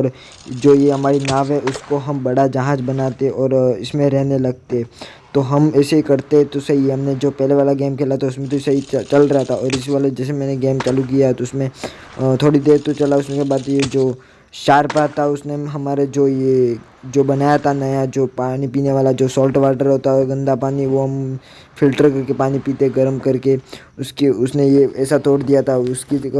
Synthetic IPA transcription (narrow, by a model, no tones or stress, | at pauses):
ɔɾ | d͡ʒoːjeɦɐmaːɾinaːʋɦɛʔʊskoɦɐmbɐɽad͡ʒɐɦãːd͡ʒbɐnaːt̪eɛ̃ʔɔːɾɪsmẽɾɛɦnelɐɡ̚t̪eɦɛ̃ | t̪oɦɐmɛːsekɐɾt̪eɦɛ̃t̪osɐɦiɦɐmned͡ʒoːpɛɦleʋaːlaɡeːmkʰeːlat̪ʰaʊsmẽt̪̬osɐɦit͡ʃɐlɾɐɦat̪ʰaɔːɾɪs̬ʋaːled͡ʒɛːs̬emɛ̃ːneɡeːmt͡ʃɐluk̬ijaɦɛt̪oʊsmẽ | t̪ʰoːɽid̪eːɾt̪ot͡ʃɐlaʊsmẽkebaːd̪jed͡ʒoː | ʃaːɾpat̪ʰaʊsneɦɐmaːɾed͡ʒoːje | d͡ʒoːbɐnaːjat̪ʰanɐjad͡ʒoːpaːnipiːneʋaːlad͡ʒoːsɔːlʈʋaːɾʈəɾɦoːt̪aɔɡɐ̃nd̪apaːniʋoɦɐm | fʰɪlʈəɾkɐɾkepaːnipiːt̪eɡɐɾmkɐɾke | ʊskeʊsnejeɛːsat̪oːɽd̪ijat̪ʰaʊski